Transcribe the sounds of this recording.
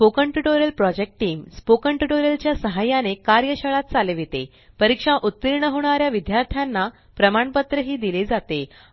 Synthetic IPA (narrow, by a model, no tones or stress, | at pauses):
pokəɳʈuʈoɾjəlpɾɔd͡ʑek̚ʈʈiːmspokəɳʈuʈoɾjəlt͡ɕjasəɦajanekaɾjəɕəɭat̪̚t͡saleʋet̪ḛ | pəɾikʂaʔut̪ːiɾɳəɦoɳ̃aɾjaʋid̪jaɾt̪ʰjanːa | pɾəmaɳpət̪ɾəɦiːd̪iled͡zat̪e